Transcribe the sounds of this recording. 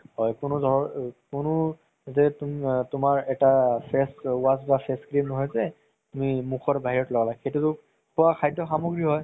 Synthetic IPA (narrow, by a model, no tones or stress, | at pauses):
hɔjkʊnʊdʱɔkʊnʊ | zɛtmtʊmaɹɛtapʰɛswasbapʰɛskɹimnɔɦɔjzɛ | tmimukʰɔɹbaɦiɹɔtlɔɡalaɡxejtutʊk | kʰʊwakʰajdɔxamoɡɹiɦɔj